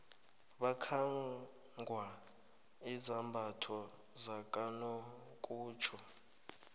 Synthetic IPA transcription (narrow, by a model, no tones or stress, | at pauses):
βakʰaŋ | ɡʱwa | izambʱatʰɔ | zakʼano | kʼuːt͡ʃʰɔ